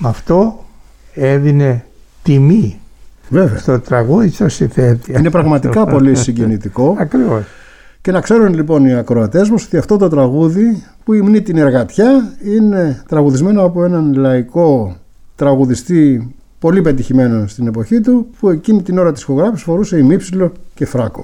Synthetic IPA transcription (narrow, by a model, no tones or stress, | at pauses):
mɐft̪o̞ | eðine̞t̪imivɾe̞veɐst̪ot̪ɾɐɣuðisosinθet̪iine̞pɾɐɣmɐt̪ikɐpo̞lisiɲɟe̞nit̪iko̞ɐkɾivos | ce̞nɐkse̞ɾunlipo̞niɐkɾo̞ɐt̪e̞zmɐso̞t̪iɐft̪o̞t̪o̞t̪ɾɐɣuðipuimnit̪ine̞ɾɣɐt̪çɐine̞t̪ɾɐɣuðizme̞noɐpoe̞nɐnlɐiko̞ | t̪ɾɐɣuðist̪i | po̞lipe̞t̪̬içime̞nost̪ine̞po̞çit̪upue̞cinit̪ino̞ɾɐt̪isxo̞ɣɾɐfi̥sfo̞ɾuse̞imipsilo̞ce̞fɾɐko̞̥̰